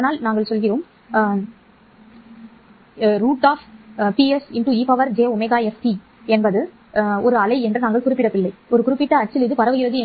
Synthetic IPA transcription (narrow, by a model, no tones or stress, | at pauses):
ɐnaːlnaːŋɡɐɭsɔlɣɪroːm | ɾuːʈːaːfpiɛsɪɳʈuːiːpɐʋɐɾd͡ʒeːʊmɐɪɣaːɛsti | ɛnbɐðɯ | ɔɾɯɐlɐɪɛndrɯnaːŋɡɐɭkʊɾɪpːɪɽɐpɪlːɐɪɔɾɯkʊɾɪpːɪʈːɐɐt͡ʃːɪlɪðɯpɐɾɐʋɯjɪɾɐðɯɛ